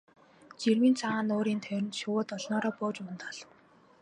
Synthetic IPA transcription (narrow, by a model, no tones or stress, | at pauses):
t͡ɕirwiːnt͡sʰaaːnoːɾiːnt̪ʰœjɾʲɪ̆nt̪ʃʊwʊːt̪ɔɮnɔːɾɔːpoːt͡ɕmʊ̆nt̪ʰɔɮ̥ɞ̆w